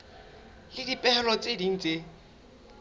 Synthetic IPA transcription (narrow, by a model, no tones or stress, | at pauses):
lɪdipʼɛhɛlɔt͡sʼedin̩t͡se